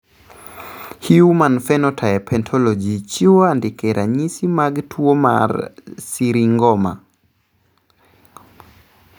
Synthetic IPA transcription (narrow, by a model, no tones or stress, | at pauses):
hiumanfɛnɔtʰaɛpʰɛntʰɔlɔd͡ʒit͡ʃiwoandɪkɛɾʔaɲisimaɡtʰwoma̰rsiɾiŋɡɔma̰